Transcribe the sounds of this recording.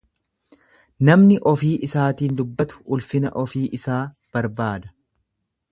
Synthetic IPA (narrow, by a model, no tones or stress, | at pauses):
nɐmnɪʔɔfiːʔɪsaːt̪iːnd̪ʊbːɐt̪ʊ̥ʊlfɪnɐ̰ʔɔfiːʔɪsaː | b̥ɐɾbaːd̪ɐ̥